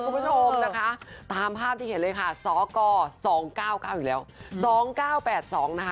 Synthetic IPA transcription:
u˧mpʰu˧˥t͡ɕʰo˧mna˦˥kʰa˦˥t̪aː˧mpʰaː˥˩p̚t̪ʰiː˥˩˨e˩˦nlɤː˧jkʰa˥˩sɔː˩˦kɔː˧sɔː˩˦ŋkaː˥˩wkaː˥˩wʔiː˨˩lɛː˦˥wsɔː˩˦ŋkaː˥˩wpɛː˨˩t̪̚sɔː˩˦ŋna˦˥kʰa˦˥

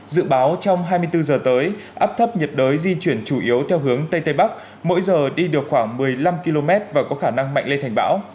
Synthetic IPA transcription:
zɨ̰˧˨ɓaː˨˦wt͡ɕɔ˧wŋ͡mɦaː˧jmɨ˧əjt̪ɨ˧zəː˨˩t̪əː˨˦jʔaː˦˥p̚t̪ʰə˦˥p̚ɲə˨˩t̚ɗəː˨˦jzi˧t͡ɕwi˧˩ənt͡ɕu˧˩ʔi˨˦əwt̪ʰɛ˧wɦɨ˨˦əŋt̪ə˧jt̪ə˧jɓa˦˥k̚ | mo̰˧˥jzəː˨˩ɗi˧ɗɨ˨˩ək̚xwaː˧˩ŋmɨ˨˩əjla˧mki˧lo˧mɛ˦˥t̚vaː˨˩kɔ˨˦xaː˧˩na˧ŋma̰˧˨ŋle˧nt̪ʰŋ̟ɓa̰ː˧˥w

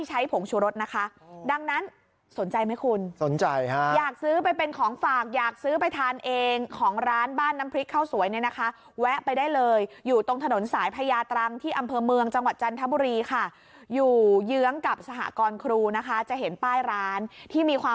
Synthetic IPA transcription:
a˥˩jt͡ɕʰa˦˥jpʰo˨˩˦ŋt͡ɕʰuː˧ɾo˦˥t̪̚na˦˥kʰa˦˥ʔda˧ŋna˦˥n | so˨˩˦nt͡ɕa˧jma˦˥jkʰu˧nso˩˦nt͡ɕa˧jha˦jaː˨˩k̚sɯː˦˥pa˧jpe˧nkʰɔː˩˦ŋfaː˨˩k̚jaː˨˩k̚sɯː˦˥pa˧jt̪ʰaː˧nʔeː˧ŋkʰɔː˩˦ŋɾaː˦˥nbaː˥˩nːa˦˥mpʰɾi˦˥kʰːa˥˩wsu˨˩˦əjni˥˩na˦˥kʰa˦˥ | wɛ˦˥ʔpa˧jdaː˥˩jlɤː˧jjuː˨˩t̪o˧ŋt̪ʰa˧no˩˦nsaː˩˦jpʰa˧jaː˧t̪ɾa˧ŋt̪ʰiː˥˩ʔa˧mpʰɤː˧mɯ˧əŋt͡ɕa˧ŋwa˨˩t̪̚t͡ɕa˧nt̪ʰa˦˥buː˧ɾiː˧kʰa˥˩ | juː˨˩jɯ˦˥əŋka˨˩p̚sa˧ɦa̰˨˩kɔː˧nkʰɾuː˧na˦˥kʰa˦˥t͡ɕa˨˩ʔɦe˩˦npaː˥˩jɾaː˦˥nt̪ʰiː˥˩miː˧kʰwaː˧

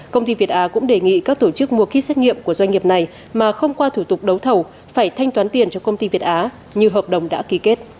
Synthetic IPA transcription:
kə˧wŋ͡mt̪i˧vi˨˩ət̚ʔaː˨˦kʊ̰˧˥ŋ͡mɗe˨˩ŋḭ˧˨kaː˦˥k̚t̪o˧˩t͡ɕɨ˦˥k̚mu˨˩əkxi˦˥sɛ˦˥t̚ŋḭ˧˨əmku˧˩əzwa˧ŋ̟ŋi˨˩əp̚na˨˩j | maː˨˩xə˧wŋ͡mkwaː˧t̪ʰu˧˩t̪ʊ˨˩k͡p̚ɗə˨˦wt̪ʰə˨˩w | faː˧˩jt̪ʰa˧jŋ̟t̪waː˨˦nt̪i˨˩ənt͡ɕɔ˧kə˧wŋ͡mt̪i˧vi˨˩ət̚ʔaː˨˦ | ɲɨ˧ɦəː˨˩p̚ɗə˨˩wŋ͡mɗa̰ː˧˥ki˨˦ke˦˥t̚

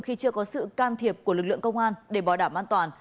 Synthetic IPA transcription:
ŋ͡mxi˧t͡ɕɨ˧əkɔ˨˦sɨ̰˧˨kaː˧nt̪ʰi˨˩əp̚ku˧˩əlɨ˨˩k̚lɨ̰˧˨əŋkə˧wŋ͡mʔaː˧nɗe˧˩ɓaː˨˩wɗaː˧˩mʔaː˧nt̪waː˨˩n

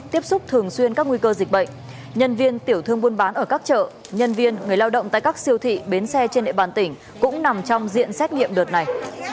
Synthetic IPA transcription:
t̪i˦˥əp̚sʊ˦˥k͡p̚t̪ʰɨ˨˩əŋswi˧ənkaː˦˥k̚ŋwi˧kəː˧zï˨˩k̟̚ɓə̰˧˨jŋ̟ | ɲə˧nvi˧ənt̪i˧˩əwt̪ʰɨ˧əŋɓu˧ənɓaː˨˦nʔəː˧˩kaː˦˥k̚t͡ɕə̰ː˧˨ | ɲə˧nvi˧ənŋɨ˨˩əjlaː˧wɗə̰˧˨wŋ͡mt̪a̰ː˧˨jkaː˦˥k̚si˧əwt̪ʰḭ˧˨ɓe˨˦nsɛ˧t͡ɕe˧nɗḛ˧˨ɓaː˨˩nt̪ï˧˩ŋ̟ | kʊ̰˧˥ŋ͡mna˨˩mt͡ɕɔ˧wŋ͡mzḭ˧˨ənsɛ˦˥t̚ŋḭ˧˨əmɗɨ˨˩t̚na˨˩j

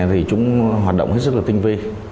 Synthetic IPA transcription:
t̪ʰi˨˩t͡ɕʊ̰˧˥ŋ͡mɦwaː˨˩t̚ɗo̰˧˨ŋ͡mhe˦˥t̚s̚laː˨˩i˧ŋ̟vi˧

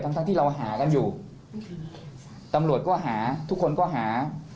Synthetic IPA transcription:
t̪ʰa˥ŋt̪a˧˥˧t̪iː˥˩ɾa˧wɦaː˩˦ka˧njuː˨˩ | t̪a˧mɾu˨˩ət̪̚kɔː˥˩ɦaː˩˦t̪ʰu˦˥kʰːo˧nkɔː˥˩ɦaː˩˦

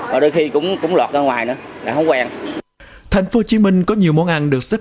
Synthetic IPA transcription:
maː˨˩ɗo˧jxi˧kʊ̰˧˥wŋ͡mkʊ̰˧˥wŋ͡mlwaː˨˩t̚aː˧ŋwaː˨˩jnɨ̰˧˦əla̰ː˨˩hə˧˦wŋ͡mkwaː˧ŋ | t̪ʰa˨˩jŋ̟fo˨˦t͡ɕi˨˦mï˧ŋ̟kɔ˨˦ɲi˨˩wmɔ˨˦nʔa˧nɗɨ˨˩ək̚sə˦˥

